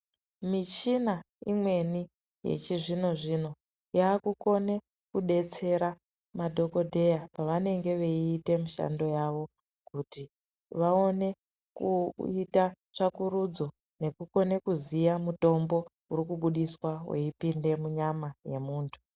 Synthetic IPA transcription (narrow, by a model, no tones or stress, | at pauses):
mit͡ʃina | imwe̞ni | jḛt͡ʃiʐino̞ʐino̞ | jaːkuko̞ne̞ | kuɗe̞t͡se̞ɾa | madʱo̞ko̞dʱe̞japaʋane̞ŋɡe̞ʋeiːte̞muʃa̰ndo̞jaʋo̞ | kuti | ʋao̞ne̞ | kuita | ʐakuɾud͡zo̞ | ne̞kuko̞ne̞kuzijamuto̞mbo̞ | uɾikuɓuɗiswawḛipinde̞muɲamaje̞muːntʰu̥